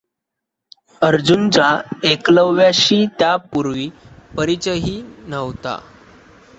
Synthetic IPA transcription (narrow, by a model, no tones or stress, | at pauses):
əɾd͡ʑunt͡ɕaekləʋːjaɕiːt̪japuɾʋiːpəɾit͡ɕəɦiːnəʋt̪a̰